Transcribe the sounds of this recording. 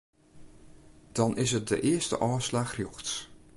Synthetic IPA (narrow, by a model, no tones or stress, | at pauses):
d̥ɑnʔɪsɦət̚də̰ʔɪːəɹstə̰ʔɔːslaːχrjoxts